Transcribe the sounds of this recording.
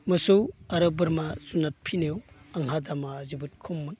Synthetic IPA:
mɯsuwɐɾɯbɯɾmazunat̚pʰinew | aŋɦadamazibɯt̚kʰumːɯn

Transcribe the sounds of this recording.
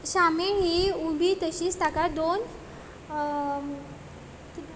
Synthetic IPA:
ɕameɦiubʱit̪əɕiːst̪akad̪on

